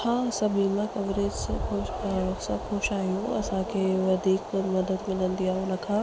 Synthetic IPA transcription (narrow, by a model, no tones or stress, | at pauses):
hãːsɐbʱimãkɐʋɾeːd͡ʑsãxosɐ̃xoʃaːɦijũɐsãkʰeːʋɐd̪ʱiːkmɐd̪əd̪mɪlə̃nd̪iaːɦʊnə̆kʰãː